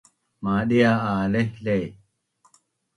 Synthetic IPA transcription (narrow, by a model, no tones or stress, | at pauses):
maːɗijaːaːlehlej